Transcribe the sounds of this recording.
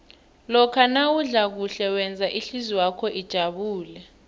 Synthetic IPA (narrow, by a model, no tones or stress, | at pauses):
lɔkʰanawuɮak̬uɬɛwɛnd͡zʱaʔiɬiziwakʰɔʔid̥ʒ̥ʱaɓuːlɛ